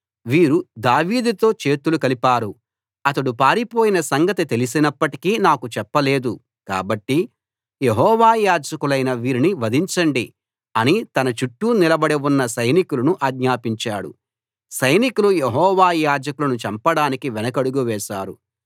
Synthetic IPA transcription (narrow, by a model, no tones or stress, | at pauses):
ʋiːɾud̪aːʋiːd̪ut̪o̞ːt͡ʃe̞ːt̪ulukɐlipaːɾu | ɐt̪ɐɽupaːɾipo̞ːjinɐsɐŋɡɐt̪it̪elis̬inɐpːɐʈi̥kiːnaːkut͡ʃɛpːɐle̞ːd̪u | ka̰ːbɐʈːi | jeɦɔːʋaːjaːd͡ʒɐkulɐjnɐʋiːɾiniʋɐd̪iɲt͡ʃɐɳɖi | ɐnit̪ɐnɐt͡ʃuʈːunilɐbɐɽeunːɐsɐjnikulɐnuʔɐːɡɲaːpiɲt͡ʃaːɽṵ | sɐjnikulujeɦɔːʋaːjaːd͡ʒɐkulɐnut͡ʃɐmpɐɽaːnikiʋɛnɐkɐɽuɡuʋɛːʃaːɾu